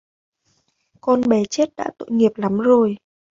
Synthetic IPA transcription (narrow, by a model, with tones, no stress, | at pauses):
kɔ˧nɓɛ˨˦t͡ɕe˦˥t̚ɗa̰ː˧˥t̪o̰˧˨jŋi˨˩əp̚la˨˦mzo˨˩j